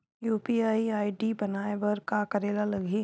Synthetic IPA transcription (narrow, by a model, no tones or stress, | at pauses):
juːpiːaːiaːiɖibɐnaːeʋɐɾkakɐɾeːlalɐɡʱe